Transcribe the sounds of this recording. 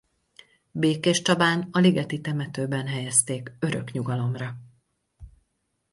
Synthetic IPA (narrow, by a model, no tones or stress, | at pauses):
beːkeʃt͡ʃɒbaːnɒliɡɛt̪it̪ɛmɛt̪øːbɛnɦɛjɛst̪eːkø̞ɾø̰kɲuɡɒlo̞mrɒ